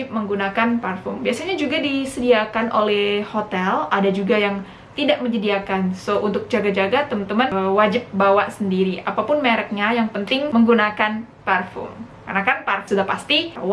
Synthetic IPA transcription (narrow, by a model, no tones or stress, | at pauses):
ɪp̚məŋɡunakanparfʊmbiasaɲad͡ʒuɡadisədiakanʔo̰lɛhhot̪ɛladad͡ʒuɡajaŋ | t̪idaʔ̚məɲd͡ʒədiakansoʔunt̪ʊk̚d͡ʒaɡad͡ʒaɡat̪əmənt̪əmənwad͡ʒɪp̚bawaʔsəndiɾiʔapapʊnmeɾɛk̚ɲajaŋpənt̪ɪŋməŋɡunakan | parfʊ̰m | karnakanparsudapast̪iw